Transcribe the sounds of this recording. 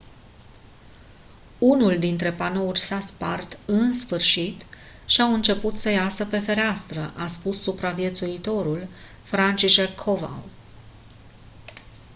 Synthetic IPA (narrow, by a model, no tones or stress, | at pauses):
unuld̪int̪ɾe̞pano̞urʲsaspart̪ɨnsfɨrʃit̪ | ʃiawɨnt͡ʃe̞put̪səjasəpe̞fe̞ɾeast̪ɾəʔaspusːupɾavije̞t̪suit̪o̞ɾul | fɾant͡ʃiʃekʰːova̰